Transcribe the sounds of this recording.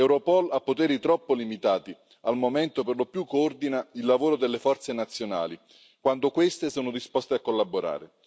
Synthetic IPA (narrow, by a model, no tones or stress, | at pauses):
ɛwɾopɔlapːot̪ɛːɾit̪ɾɔpːolimit̪aːt̪i | almomɛnt̪operlopːjukːoord̪inailːavoːɾod̪elːefɔrt̪senat̪sːjona̰ːli | kwand̪okwest̪esoːnod̪ispɔst̪eakːolːaboɾa̰ːɾe